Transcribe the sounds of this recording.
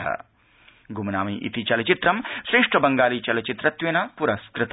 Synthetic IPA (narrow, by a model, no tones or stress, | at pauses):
ɐ̰ | ɡʱumɐnaːmiʔḭt̪it͡ʃɐlɐt͡ʃit̪ɾɐmsɾeːʂʈɾɐbɐŋɡaːlit͡ʃɐlɐt͡ʃit̪ɾɐt̪ʋenɐpuɾɐskɾɪt̪